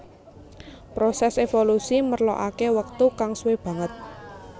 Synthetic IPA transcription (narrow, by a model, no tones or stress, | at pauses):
pɾosɛsefolusimərlo̰ʔa̰kewək̚t̪ukaŋsweb̥ä̤ŋət̪̚